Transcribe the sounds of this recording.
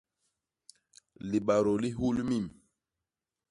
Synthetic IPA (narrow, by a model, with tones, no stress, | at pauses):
li˨ɓa˨ɾo˨li˦ɦu˦lmi˦˨m